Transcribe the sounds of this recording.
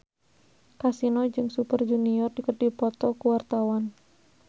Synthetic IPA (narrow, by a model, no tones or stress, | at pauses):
kasinɔd͡ʒɨŋsupərd͡ʒuniɔrdikərdipɔt̪ɔkuwart̪awan